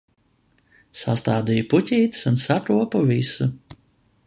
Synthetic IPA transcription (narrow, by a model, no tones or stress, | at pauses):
sa̰st̪aːd̪ijputʲiːt̪sunsakɾuɔpuvisu